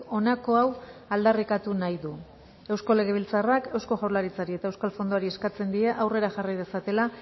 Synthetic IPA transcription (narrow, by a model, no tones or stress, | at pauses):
o̞nako̞awald̪arikat̪unajðu | e̞wskole̞ɣ̞e̞βilt͡sarake̞wsko̞ʝawlaɾit͡saɾie̞t̪aewskalfo̞nd̪oaɾie̞skat͡se̞nd̪ieʔawre̞ɾaʝarajð̞e̞sat̪e̞la